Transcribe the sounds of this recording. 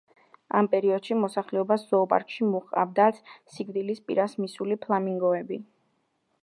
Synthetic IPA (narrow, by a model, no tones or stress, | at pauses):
ampʼɛɾiɔd̪̥ʃimɔsaχlɛɔbasz̥ɔːpʼa̰ɾkʼʃimuχʼa̰vd̪at̪ssiɡd̪ilispʼḭɾasmisulipʰlˠamiŋɡɔɛbi